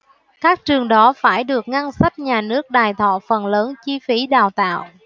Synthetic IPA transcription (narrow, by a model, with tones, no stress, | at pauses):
kaː˦˥k̚t͡ɕɨ˨˩əŋɗɔ˨˦faː˧˩jɗɨ˨˩ək̚ŋa˧nsa˦˥jt̚ɲaː˨˩nɨ˦˥ək̚ɗaː˨˩jt̪ʰɔ̰˧˨fə˨˩nləː˨˦nt͡ɕi˧fi˨˦ɗaː˨˩wt̪a̰ː˧˨w